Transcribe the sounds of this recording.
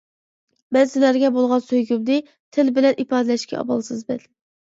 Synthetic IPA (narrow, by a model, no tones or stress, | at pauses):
mɛnsɪlæɾɡʲɛbolˠʁɑnsøjɡʲymd̪ɨ | t̪ʰɪlbɪlɛnʔipɑːd̪ɪlɛʃkʲɛ̰ɑ̰bɑ̰lˠsɨzbɛl